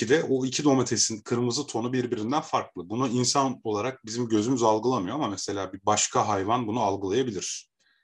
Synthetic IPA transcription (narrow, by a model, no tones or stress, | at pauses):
id̪ɛʔoicʰid̪o̞met̪ʰesinkʰɯɾmɯzɯt̪ʰo̞nubiɾbiɾind̪ænfaɾklˠɯbunuinsano̞lˠaɾak̚bizimɟø̞zymyzalˠɡɯlˠamɯjo̞amamese̞lʲaːbibaʃkʰaɦajvanbunualˠɡɯlˠajabilʲiɾ̥